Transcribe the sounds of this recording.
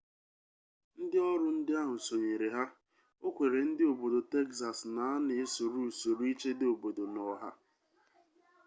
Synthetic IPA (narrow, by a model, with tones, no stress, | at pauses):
n̩˦dɪ˦ɔ˦ɾʊ˦n̩˦dɪ˦a˦ɦʊ˨so˨ɲe˨ɾe˨ɦa˦ | o˦kʷe˨ɾe˨n̩˦dɪ˦o˨bo˨do˨te˦ksa˨sna˨a˦ne˨e˦so˨ɾu˦˨so˨ɾu˦i˦t͡ʃe˦dɪ˦o˨bo˨do˨nɔ˨ɦa̰˦